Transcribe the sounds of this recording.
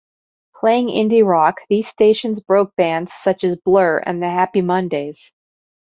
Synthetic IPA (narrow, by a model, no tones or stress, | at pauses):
pʰl̥eɪɪ̃ŋɪ̰̃ndiɹɑkðiz̥steɪʃɨ̃nzbɹoʊk̚b̥æ̃ndz̥sʌt͡ʃɨzblɜ˞ɨ̰̃nðɨhæpimʌ̃ndeɪz̥